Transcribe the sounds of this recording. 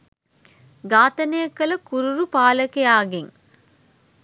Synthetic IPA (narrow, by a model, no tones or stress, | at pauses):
ɡaːt̪ɐnejəkːɐləkuɾuɾupaːləkejaːɡeŋ